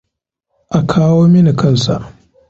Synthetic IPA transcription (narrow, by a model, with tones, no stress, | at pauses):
ʔa˨kʰaː˦woː˦mɪ˦ni˨kɐ˦˨nsa̰˨ʔ